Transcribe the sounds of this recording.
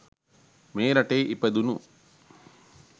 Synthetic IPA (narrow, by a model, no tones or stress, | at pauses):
meːɾɐʈeʔipɐd̪unu